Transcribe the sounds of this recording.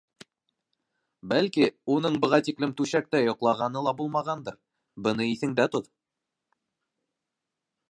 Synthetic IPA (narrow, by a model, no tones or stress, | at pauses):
bælkiunɤɴbɤ̆ʁɑt̪iklɘmt̪ʉɕæk̚t̪æjŏqlˠɑʁɑnɤlˠɑbulˠmɑʁɑnd̪ɤɾ | bɤ̆nɤiθɘ̆ŋd̪æt̪oð